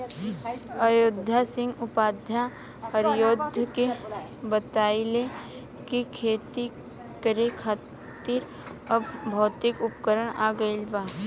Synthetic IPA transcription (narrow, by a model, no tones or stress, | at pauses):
əjʊd̪ʱːjasɪ̃ŋɡʊpaːd̪ʱja | həɾjoːd̪ʱəkebət̪aːɪle | kikʰeːt̪i | kəɾekʰaː | t̪iɾ | ɐbbʱɔːt̪ɪkʊpkəɾəɽ̃a̰ːɡəɪlbaː